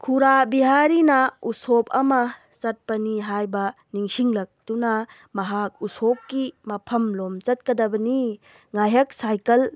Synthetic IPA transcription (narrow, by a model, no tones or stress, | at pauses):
kʰuɾabiɦaɾinɐusopʰɐmɐ | t͡ʃɐt̚pɐniɦajbɐ | niŋsiŋlɐk̚tunɐ | mɐɦak̚usop̚kimɐpʰɐmlomt͡ʃɐt̚kɐdɐbɐni | ŋajɦɐk̚sajkɐl